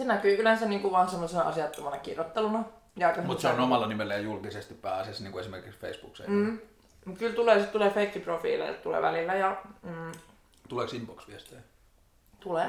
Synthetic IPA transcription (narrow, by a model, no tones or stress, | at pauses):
senækyːylænseniːŋkuʋʋɑnsɑmːosenɑɑ̰sjɑt̪ːɑmɑnɑkḭrjot̪ːelunɑ | jɑˑikːɑmut̪seonomɑlːɑnimelːæjɑjulkisest̪ippæːsesniːŋkuesimerkiksfḛisb̥ṵksḛm̩ː | mukylt̪uleːˑsit̪t̪uleːfeikːiprofḭːlḛt̪ulḛːʋæ̰lilːæjɑː | t̪uleːksimboksʋiest̪eː | t̪uleː